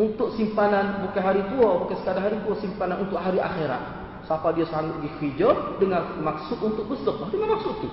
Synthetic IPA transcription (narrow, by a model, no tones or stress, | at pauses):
unt̪ʊk̚simpananbukaɦaɾit̪uabukasə̥kadaɦaɾit̪uasimpananunt̪ʊʔɦaɾiʔa̰xeɾa̰t̪̚ | sapadiasaŋʊt̪̚ɡixid͡ʒɔrdəŋanmaksʊt̪unt̪ʊk̚bəst̪ək̚aɦdəŋanmaksʊʔt̪u